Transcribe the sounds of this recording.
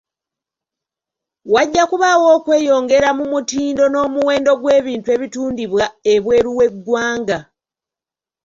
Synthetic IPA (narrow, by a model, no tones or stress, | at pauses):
waɟːakuβawo̞ːkwe̞ːjo̞ːŋɡe̞ɾamumutiːndo̞no̞ːmuwe̞ːndo̞ɡwe̞ːβiːntue̞ːβituːndiβwaeβwe̞ːɾuwe̞ɡːwaːŋɡa